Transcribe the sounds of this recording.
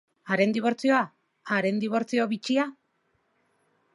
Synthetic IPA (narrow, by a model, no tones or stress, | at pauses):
aɾe̞nd̪iβ̞o̞ɾt͡sio̞a | aɾe̞nd̪iβ̞o̞ɾt͡sio̞βit͡ʃia